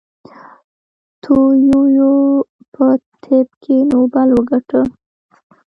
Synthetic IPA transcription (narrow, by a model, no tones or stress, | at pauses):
t̪ʰojojo | pʰət̪ʰebkʰenobalwəɡaʈə